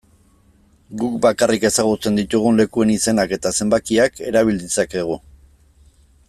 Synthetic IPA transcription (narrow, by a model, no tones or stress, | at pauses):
ɡukbakarike̞saɣ̞ut͡se̞nd̪it̪uɣ̞unle̞kue̞nise̞nake̞t̪ase̞mbakiake̞ɾaβ̞ild̪isake̞ɣ̞u